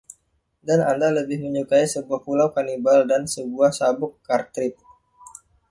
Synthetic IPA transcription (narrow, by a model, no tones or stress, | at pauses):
danandaləbɪhməɲukaisəbuahpulawkanibaldansəbuahsabʊkːart̪ɾɪt̪̚